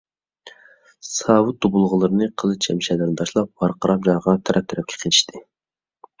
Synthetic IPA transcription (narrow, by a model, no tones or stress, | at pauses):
sɑːwut̪̚d̪obulˠʁəlˠɨɾɨnɨqʰəlˠɨt͡ʃʰɛmʃɛlɪɾnɨt̪ʰɑʃlˠɑp̚bɑɾqʰəɾɑp̚ʒɑɾʁɑt̪ʰɛɾʔɛp̚t̪ʰyɾɛp̚kʲʰɛ̥qʰit͡ʃʰi̥ʃt̪ʰɪ